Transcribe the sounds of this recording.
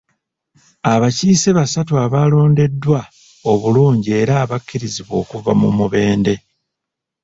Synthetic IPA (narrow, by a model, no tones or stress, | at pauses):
aβaciːseβasatuaβalo̞ːnde̞dːwa | o̞βuluːɲɟie̞ːɾaːβakːiɾiziβo̞ːkuva̰mumuβe̞ːnde̞